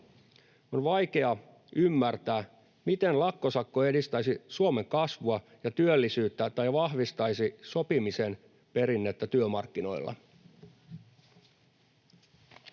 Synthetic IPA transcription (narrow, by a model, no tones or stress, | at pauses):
o̞nʋɑjke̞ɑ | ʔymːært̪æː | mit̪enlɑkːo̞sɑkːoe̞dist̪ɑjsisuome̞ŋkɑsʋuɑ | jɑt̪yølːisyːt̪ːæt̪ɑjʋɑhʋist̪ɑjsiso̞pimise̞n | pe̞ɾinːet̪ːæt̪yømɑrkːino̞̰ilːɑ̰